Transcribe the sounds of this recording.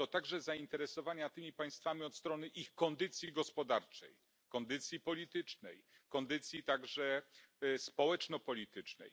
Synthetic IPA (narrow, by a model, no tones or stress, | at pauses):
t̪ɔt̪aɡʐɛzaint̪ɛɾɛsɔvaɲat̪ɘmʲipaj̃st̪famʲiɔt̪st̪ɾɔnɘʔixkɔnd̪ɘt̪sʲjiɡɔspɔd̪aɾt͡ʂɛ̰j | kɔnd̪ɘt̪sʲjipɔlʲit̪ɘt͡ʂnɛ̰jkɔnd̪ɘt̪sʲjit̪aɡʐɛ | spɔwɛt͡ʂnɔpɔlʲit̪ɘt͡ʂnɛ̰j